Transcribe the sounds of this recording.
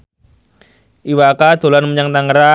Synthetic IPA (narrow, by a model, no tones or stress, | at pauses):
ʔiwakad̪̥o̤lanməɲaŋt̪aŋəɾa